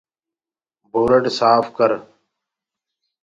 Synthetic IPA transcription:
bʱoːɾəɖsaːfʰkəɾ

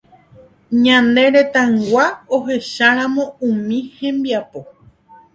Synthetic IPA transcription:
ɲãnd̪ẽ̞ɾe̞t̪ãŋɡʷaoɦe̞ʃaɾ̃ãmõ̞ũmĩhẽ̞mbiapo̞

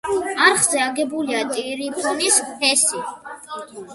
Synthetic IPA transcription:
aɾχzɛaɡɛbuliat̪ʼiɾipʰɔnispʰɛsi

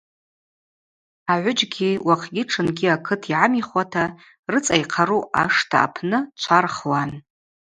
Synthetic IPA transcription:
aʕʷʊd͡ʒɡʲiwaqʰɡʲɪʈ͡ʂʰɨnɡʲiakʰɨtʰiʕamiχwʷatʰa | rɨt͡sʼajqʰaɾua̰ʂtʰa̰ːpʰnɨt͡ʃʷʰarχwan

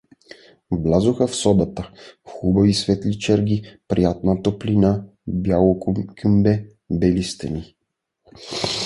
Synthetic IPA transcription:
blʲazoxəfsɔd̪ət̪əxubɐvisvɛt̪lit͡ʃɛɾɡʲipɾijat̪̚nət̪oplina | bjalˠokəmbɛ | bɛlist̪ɛni

